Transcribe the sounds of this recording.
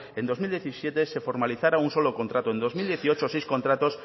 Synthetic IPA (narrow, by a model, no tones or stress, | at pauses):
end̪ozmild̪jeθisjet̪esefoɾmaliθaɾauŋsolokont̪ɾat̪oend̪ozmild̪jeθiot͡ʃosejskont̪ɾat̪os